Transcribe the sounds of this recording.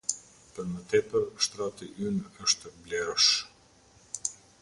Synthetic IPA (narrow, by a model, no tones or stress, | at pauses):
pəɾmət̪ɛpəɾʃt̪ɾat̪iʔynəʃt̪blɛɾɔʃ